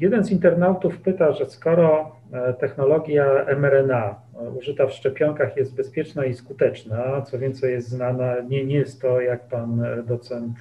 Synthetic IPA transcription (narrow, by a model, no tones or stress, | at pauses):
jɛd̪ɛnzint̪ɛɾnawt̪ufpɘt̪aʐɛskɔɾɔ | t̪ɛxnɔlɔɡʲjaɛmɛɾɛna | uʐɘt̪afʂt͡ʂɛpʲjɔŋkaxjɛst̪̚bɛspʲjɛt͡ʂnaiskut̪ɛt͡ʂnat̪sɔvʲjɛnt̪sɛjɛst̪znanaɲɛɲɛjɛst̪ːɔjak̚pand̪ɔt̪sɛnt̪